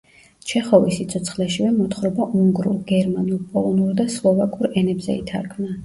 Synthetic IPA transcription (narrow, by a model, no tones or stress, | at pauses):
t͡ʃʰɛχɔvisit̪sʰɔt̪sʰχlɛʃivɛmɔt̪χɾɔbaʔuŋɡɾulˠɡɛɾmanulpʼɔlˠɔnuɾd̪aslˠɔvakʼuɾɛnɛbzɛ̰it̪ʰaɾkʰmna